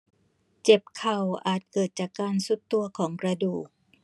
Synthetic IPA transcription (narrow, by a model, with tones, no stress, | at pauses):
t͡ɕe˨˩p̚kʰa˨˩wʔaː˨˩t̪̚kɤː˨˩t̪̚t͡ɕaː˨˩kːaː˧nsu˦˥t̪ːu˧ɐkʰɔː˩˦ŋkɾa˧duː˨˩k̚